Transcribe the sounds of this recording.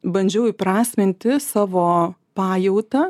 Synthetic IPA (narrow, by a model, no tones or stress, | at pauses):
bɐnʲd͡ʒʲɛʊɪpɾɑːsʲmʲɪnʲt̪ʲɪsɑːʋoːpɑːjɛʊt̪ɐ